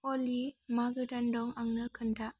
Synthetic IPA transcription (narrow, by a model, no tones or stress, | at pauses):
ɔlimaɡɯdandɔŋaŋnɯkʰɯndaʔ